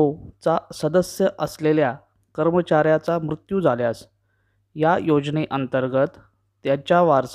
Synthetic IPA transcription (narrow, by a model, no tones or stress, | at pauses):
ot͡sasəd̪əsjəʔəslelja | kəɾmət͡ɕaɾjat͡samɾut̪juːd͡zʱaljas | jajod͡ʑneʔənt̪əɾɡət̪ː | jat͡ɕjaʋaɾs